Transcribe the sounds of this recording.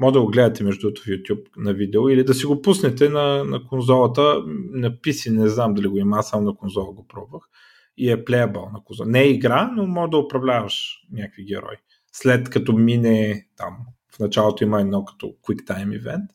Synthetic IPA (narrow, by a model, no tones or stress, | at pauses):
mɔʒd̪ɐɡoɡlɛd̪ət̪ɛmɛʒd̪ut̪o̥fjut̪ʲjup̚nɐvid̪ɛoilid̪ɐs̬iɡopusnɛt̪ɛnɐnɐkonzɔlˠɐt̪ənɐpisinɛznamd̪ɐliɡoimasamonɐkonzɔlˠəɡopɾɔbvəx | iɛplɛjəbɔ̰lˠnɐkonzɔlˠnɛːiɡɾanomɔʒd̪ɐʊpɾɐvlʲavɐʃnʲakviɡɛɾɔ̰j | slɛt̪kɐt̪ɔminɛt̪a̰m | fnɐt͡ʃalˠot̪oimɐɛd̪nɔkɐ̥t̪ɔ̰kwikt̪ajmḭvɛ̰nt̪